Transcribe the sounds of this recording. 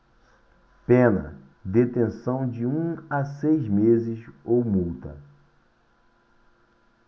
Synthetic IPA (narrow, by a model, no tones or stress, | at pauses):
pẽnɐ̰ | d̪et̪ẽsɐ̃w̃d͡ʒɪũasejzmezɪsowmuwt̪ɐ̰